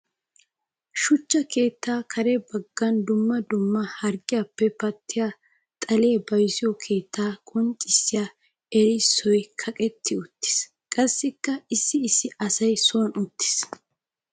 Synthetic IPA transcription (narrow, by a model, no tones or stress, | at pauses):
ʃʊt͡ʃːɐke̞ːt̪ːaːkʰɐɾɛbɐɡːɐnd̪ʊmːɐd̪ʊmːɐhɐɾɡɪjapːɛpɐt̪ːɪja | t̪ʼɐleːbɐjsɪjɔkʰe̞ːt̪ʰːaːkʼɔnt͡ʃʼɪsːɪja | ɛjsːɔjkʰɐkʼɛt̪ʰːɪʊt̪ːɪ̥s | kʼɐsːɪkːɐɪsːɪːsːɪʔɐsɐjsʊwɐnʊt̪ːɪ̥s